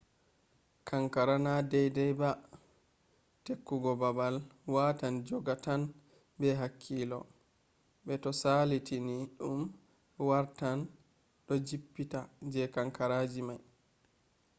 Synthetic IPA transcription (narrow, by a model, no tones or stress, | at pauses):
kaŋkaɾanadɛjdɛjba | tekːuɡɔbabalwatand͡ʒɔɡatan | bɛɦakʰːiːlɔ̰ | bɛtɔsalitiniɗum | waɾtan | ɗɔd͡ʒipːitad͡ʒɛkaŋkaɾaːd͡ʒimaj